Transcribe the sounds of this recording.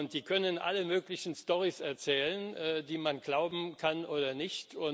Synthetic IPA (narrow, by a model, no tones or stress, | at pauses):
ʊnt̚d̥iːkʰœnənʔa̰ləmøːklɪçn̩stɔʁisɛɐt͡sɛːlənʔɛːdiːmanɡlaʊbm̩kʰanʔoːdɐnɪçtʰʊn